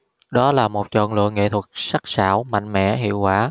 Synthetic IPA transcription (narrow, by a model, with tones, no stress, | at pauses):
ɗɔ˨˦laː˨˩mo˨˩t̚t͡ɕɔ̰˧˨nlɨ̰˧˨əŋːḛ˧˨t̪ʰwə˨˩t̚sa˦˥k̚saː˧˩˨wma̰˧˨jŋ̟mɛ̰˧˥˨ɦḭ˧˨əwkwaː˧˩